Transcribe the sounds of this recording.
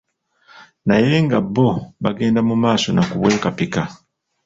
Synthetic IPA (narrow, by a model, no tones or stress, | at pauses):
naje̞ŋɡabːo̞βaɡe̞ːndamumaːso̞nakuβwe̞ːkapika